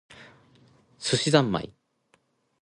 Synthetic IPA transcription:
sɨɕizãmːa̰ḭ

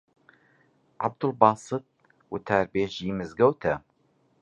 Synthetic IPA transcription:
ʕa̰b̚d̪ʊlbɑːsɨt̪̚ | wɨt̪ʰaːɾbeːʒiːmɨzɡɐwt̪ʰɐ

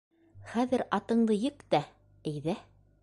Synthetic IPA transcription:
χæðɘ̆ɾɑt̪ɤ̆ɴd̪ɤjɘkt̪æ | æ̆jðæ

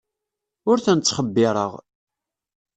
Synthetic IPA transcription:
ʊɾθənt͡sːχəbːɪɾˤə̰ʁ

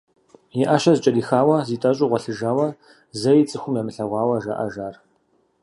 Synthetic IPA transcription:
jɪʔaʃɐzɨt͡ʃʼɐdiːxaːwɐziːtʼɐɕʼʊʁʷɔɬɨʒaːwɐ | zɐjit͡sʼɨxʷʊmjaːmɨɬɐʁʷɑːwɐʒa̰ʔɐ̰ʒaːr

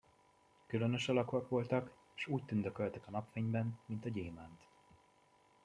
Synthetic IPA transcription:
kylø̞nø̞ʃɒlɒkoɒkʋo̞lt̪ɒk | eʃuːc̚t̪ynd̪økølt̪ɛkɒnɒpfeɲbɛnmint̪ɒɟeːmaːnt̪

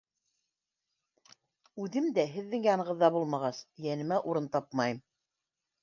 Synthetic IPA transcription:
ʉðɘmd̪æɦɘ̆ðːɘŋjɑnɤ̆ʁɤ̆ðːɑbulˠmɑʁɑsjænɘ̆mæʔuɾɤnt̪ɑpmɑjɤm

